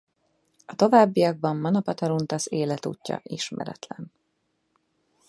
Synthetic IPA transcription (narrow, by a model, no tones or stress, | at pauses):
ɒt̪o̞vaːbːijɒɡ̚bɒmːɒnopɒt̪ɒɾunt̪ɒseːlɛt̪ṵːcːɒ̰ʔiʃmɛ̰ɾɛ̰t̪lɛn